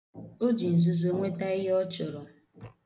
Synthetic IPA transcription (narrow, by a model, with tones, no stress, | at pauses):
o˦d͡ʒi˨n̩˨zu˨zo˨ŋʷe˦ta˦ɪ˦ɦɔ˦t͡ʃʊ˨ɾʊ˨